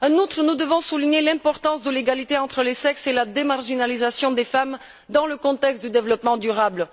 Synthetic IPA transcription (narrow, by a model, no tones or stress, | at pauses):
ɑ̃nut̪χənud̪əvɔ̃suliɲelɛ̃pɔʁt̪ɑ̃sd̪əleɡalit̪eɑ̃t̪χəlesɛkselad̪emaʁʒinalizasjɔ̃d̪efam | d̪ɑ̃ləkɔ̃t̪ɛkst̪̚d̪yd̪evlɔpmɑ̃d̪yʁabl